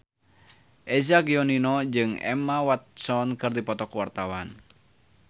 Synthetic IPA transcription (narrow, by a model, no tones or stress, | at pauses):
ʔɛzaɡiɔninɔd͡ʒɨŋɛ̰mawat̪̚sɔnkɨrdipɔt̪ɔkwart̪awan